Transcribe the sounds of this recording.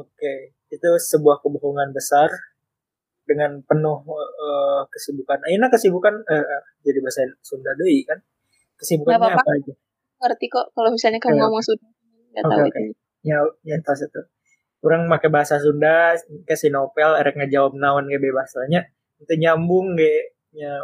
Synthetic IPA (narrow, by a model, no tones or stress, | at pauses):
oke | it̪usəbuahkəboɦoŋanbəsar | dəŋanpənʊhəkəsibukanajinakəsibukanəə | d͡ʒadibahasansundahdoikan | kəsibukanaaapad͡ʒa | ərt̪ikɔʔkalomisalɲakaamasuna | ka̰toakeoke | ɲaɲat̪asit̪u | kuɾaŋmakabaɦasasundakasinopɛleɾɛk̚ɲad͡ʒawap̚naɔnkabebaɦasaɲa | t̪uɲambʊŋɡɛ | ɲa